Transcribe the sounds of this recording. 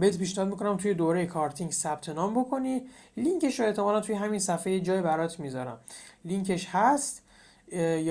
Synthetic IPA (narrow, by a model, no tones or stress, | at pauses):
beed̪pʰiːʃnæhɒd̪miko̞næmt̪ʰuje̞d̪oːɾejekʰɒːɾt̪ʰiŋɡsæb̥̚t̪ʰe̞nɒːmbo̞kʰo̞niliŋke̞ʃɾoe̞ht̪ʰemɒːlænt̪ʰujeɦæminsæfejed͡ʒɒːjebæɾɒːt̪ʰmizɒɾæ̰mliŋcʰe̞ʃhæst̪ | j